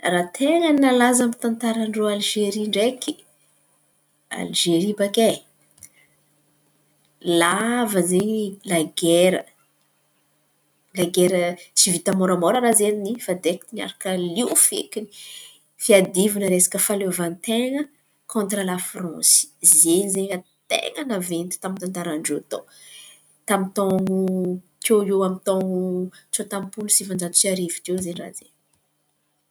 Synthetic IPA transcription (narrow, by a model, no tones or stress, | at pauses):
rat̪ʰeŋənnalazamit̪ant̪aɾaɳɖ͡ʐoalʒeɾiɳɖ͡ʐeki | a̰lʒeɾibake | lavəzeɲilaɡeɾə | laɡeɾət͡sivit̪amoɾamoɾəɾazeninifad̪eki̥t̪ina̰ɾakəliwfḛkini̥ | fiad̪ivinəɾesḁkəfalevant̪eŋə | kʰõnt̪rəlafrɔ̃si̥zeɲizeɲat̪ḛŋənavent̪i̥t̪amint̪ant̪aɾaɳɖ͡ʐeat̪o̰ | t̪amit̪ɔŋu | keewamit̪ɔ̃ŋut͡sot̪ãmpunusivãnd͡ʒat̪u̥t͡siaɾivik̪ewzenira̰zḛn